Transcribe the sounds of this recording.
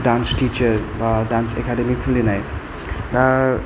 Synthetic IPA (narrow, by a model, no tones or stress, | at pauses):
ɖansʈit͡ʃəɾbadansḛkaɖemikfulinaj | da